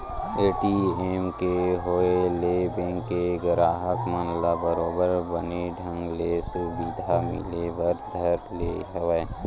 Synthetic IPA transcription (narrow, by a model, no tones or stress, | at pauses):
eːʈieːmkeɦoelebẽŋɡkeɡəɾaːɦəkmənlabəɾoːbəɾbəneɖʱə̃ŋɡlesubid̪ʱamɪ̰lebəɾd̪ʱəɾpled͡ʒəʋa